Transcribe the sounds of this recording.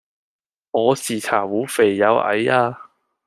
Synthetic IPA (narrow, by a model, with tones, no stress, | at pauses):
ŋɔː˨˧siː˨˩t͡sʰa̰ː˨˩wuː˨˥fe˨˩jːɐ˨˧wʔɐ̰˨˧˥jaː˧